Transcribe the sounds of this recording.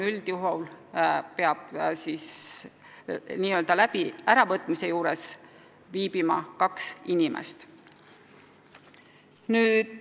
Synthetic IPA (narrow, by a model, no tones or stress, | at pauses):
yld̪̥juɦowlpe̞ɑb̥̚siːs | niːøld̪ɑlæb̥iæɾɑvɤt̪ːˑmise̞juːɾes | viːb̥imɑ̰kɑksinimʔḛst̪ | nyːd̪